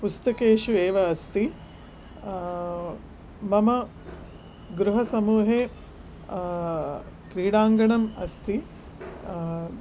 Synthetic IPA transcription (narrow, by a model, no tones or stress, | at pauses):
pust̪ɐkeːʃueːʋɐːst̪i | mɐmɐ | ɡɾuɦɐsɐmuːɦeː | kɾiːɽaːŋɡɐɳɐmɐ̰st̪i